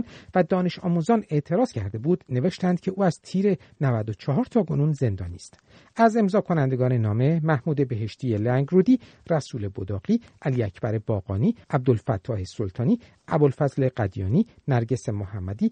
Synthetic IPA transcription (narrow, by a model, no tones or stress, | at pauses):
nvæd̪ɒːne̞ʃɒːmuzɒːne̞ʔt̪ʰe̞ɾɒːz̥cʰæɾd̪e̞buːd̪̥ne̞ve̞ʃt̪ænd̪̥̚cʰe̞ʔuːæz̥t̪ʰiːɾe̞ | nævæd̪ot͡ʃʰɒɦɒːɾt̪ʰɒːkʰo̞nunze̞nd̪ɒ̰ːnist̪ | æze̞mzɒːkʰo̞nænd̪e̞ɡɒːne̞nɒːme̞mæhmuːd̪e̞beɦeʃt̪ʰiːelæŋɡɾuːd̪iː | ræsuːle̞bod̪ɒːɣ̥iːʔæliːæcʰbæɾe̞bɒːɣɒːniːʔæb̚d̪olfæt̪ʰːɒːhe̞solt̪ʰɒːniː | ʔæbolfæzle̞ɢæd̪jɒ̰ːniːnæɾɟe̞se̞mohæmːæd̪iː